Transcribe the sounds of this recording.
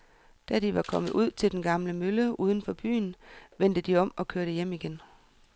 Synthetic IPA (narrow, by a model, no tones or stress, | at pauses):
d̥æd̥iʋɑ̈kʰɒ̽m̰ð̩ˠuð̰ˠt͡sʰe̝ld̥enɡ̥ɑ̈mləmøləuːð̞ˠən̩fɒ̽b̥y̰ːnʋen̰d̥əd̥iɒ̽mɒ̽kʰøɐɾ̥əjem̰iɡ̥en